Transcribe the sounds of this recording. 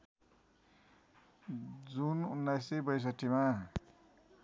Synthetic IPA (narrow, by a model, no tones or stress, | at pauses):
d͡zununːajsibʌjs̬ʌʈːima